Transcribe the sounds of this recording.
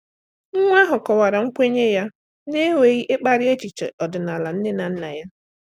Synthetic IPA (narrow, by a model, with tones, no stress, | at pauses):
ŋ̩˦ŋʷ˦a˦ɦʊ˨kɔ˨wa˨ɾa˨ŋ̩˦kʷe˦ɲe˦ja˦ | ne˦wʷe˨ɣi˦ʔɪ˦k͡pa˦ɾɪ˦e˦t͡ʃi˨t͡ʃḛ˨ʔɔ˨dʊ˨na˨la˨n̩˦ne˦na˨n̩˦na˨ja˦